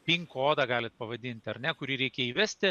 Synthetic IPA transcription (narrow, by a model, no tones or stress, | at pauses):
pʲiŋkoːd̪ɑɡɑːlʲɪt̪̚pɐʋɐd̪ʲiːnʲt̪ʲɐɾʲnʲɛkʊɾʲiːɾʲɛɪkʲɛiːʋʲæsʲt̪ʲɪ